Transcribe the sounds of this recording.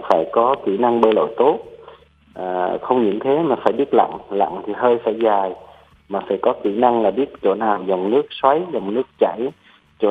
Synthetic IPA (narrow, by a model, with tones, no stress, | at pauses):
faː˧˩jkɔ˨˦ki˧˩na˧ŋɓəː˧lo̰˧˨jt̪o˦˥t̚ | ʔəː˨˩xə˧wŋ͡mɲɨ̰˧˥ŋt̪ʰe˨˦maː˨˩faː˧˩jɓi˦˥ət̚la̰˧˨ŋla̰˧˨ŋt̪ʰi˨˩ɦəː˧jfaː˧˩jzaː˨˩j | maː˨˩faː˧˩jkɔ˨˦ki˧˩na˧ŋlaː˨˩ɓi˦˥ət̚t͡ɕo̰˧˩naː˨˩wza˨˩wŋ͡mnɨ˦˥ək̚swa˨˦jzə˨˩wŋ͡mnɨ˦˥ək̚t͡ɕa˧˩j | t͡ɕo̰˧˩